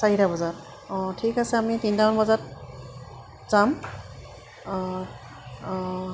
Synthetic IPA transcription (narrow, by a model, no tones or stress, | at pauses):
saɹitabɔzaɹ | ɔ̃tʰikasɛamitindaɔnbɔzat̚ | z̥am